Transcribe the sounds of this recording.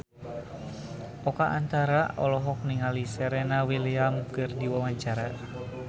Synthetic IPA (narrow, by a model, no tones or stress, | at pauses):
ɔkaʔant̪aɾaʔɔlɔɦɔk̚niŋalisɛɾɛnawiliamkɨrdiwawaɲt͡ʃaɾa